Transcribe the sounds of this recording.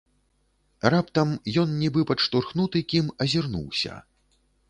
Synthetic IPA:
rapt̪ɐmjɔnnʲibɨpɐʂt̪urxnut̪ɨkʲimɐzʲirnṵwsʲɐ̰

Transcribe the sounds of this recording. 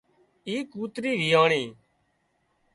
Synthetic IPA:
iːkuːt̪ɾiːʋiːaːɳiː

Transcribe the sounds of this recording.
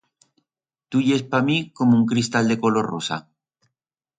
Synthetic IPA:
t̪uʝespamiko̞mouŋkɾist̪ald̪eko̞lo̞rrosa̰

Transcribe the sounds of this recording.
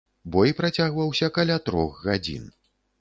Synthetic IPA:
bɔjipɾat͡sʲaɣvɐwsʲɐkalʲat̪ɾɔ̰xːad͡zʲḭn

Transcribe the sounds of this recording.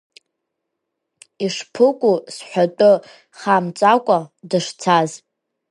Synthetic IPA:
iʂpʰɨkʷʼusħʷᶣatʼʊ | χamt͡sʷʼakʷʼadɨʂt͡sʰaz

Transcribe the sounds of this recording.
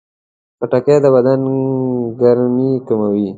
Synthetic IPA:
paʈaked̪əbad̪an | ɡaɾmikamawi

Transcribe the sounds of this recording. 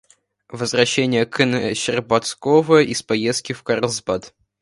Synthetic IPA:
vəzvɾɐɕːenʲɪjəkənəɕɪrbɐt̪skovəəʔispɐjest̪kʲɪfkɐɾˠzbat̪

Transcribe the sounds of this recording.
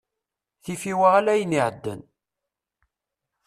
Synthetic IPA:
θifiwaʁælæjəniʕəd̪ːə̰n

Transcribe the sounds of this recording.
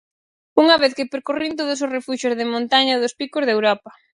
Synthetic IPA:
uŋɐβeθkɪpeɾkorint̪̬oð̞ʊs̬osrefuʃozðemõnt̪aɲaðʊspikozðewɾɔpɐ

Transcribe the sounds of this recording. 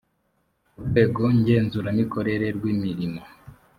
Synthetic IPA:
weːɡo̞ɲɟe̞ːnzuɾamiko̞ɾe̞ɾe̞ɾɡwiːmiɾimo

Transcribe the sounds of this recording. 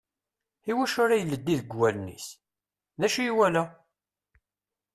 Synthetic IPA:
iwæʃʊɾajəlːəd̪ːiðəɡwælnḭs | ðæʃijiwælæ

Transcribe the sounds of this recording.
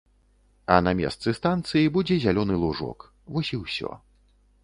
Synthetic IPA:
ɐnɐmʲɛ̰st̪sɨst̪ant̪sɨjibud͡zʲɛzʲalʲɔnɨlˠuʐɔ̰k | vɔsʲiwsʲɔ̰

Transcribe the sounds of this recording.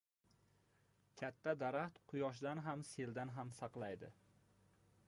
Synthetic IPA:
kʲʰat̪ʰːad̪aɾaχt̪qʰʊjɒʃ̬d̪anɦamse̞ld̪anɦamsɑqlˠajd̪ɪ̰

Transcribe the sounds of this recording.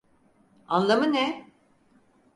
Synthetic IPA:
anlˠamɯnɛ

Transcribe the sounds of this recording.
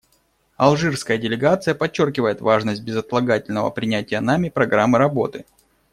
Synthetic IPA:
ɐlˠʐɨrskəjədʲɪlʲɪɡat̪sɨjəpɐt͡ɕːo̞rkʲɪvəjɪt̪vaʐnəsʲt̚ʲbʲɪzɐt̪lˠɐɡatʲɪlʲnəvə̰pɾʲɪnʲætʲɪjənamʲɪpɾɐɡɾamːɨɾɐbo̞̰t̪ɨ

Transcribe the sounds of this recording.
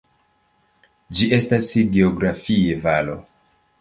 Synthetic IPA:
d͡ʒie̞stasɡeoɡɾafievalo̞

